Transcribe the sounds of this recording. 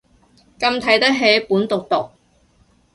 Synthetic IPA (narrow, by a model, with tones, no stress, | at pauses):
kɐ˧mt̪ʰɐ˨˥jt̪ɐ˥k̚ɦe˨˥jpuː˨˥nt̪ʊ˨k̚t̪ʊ˨k̚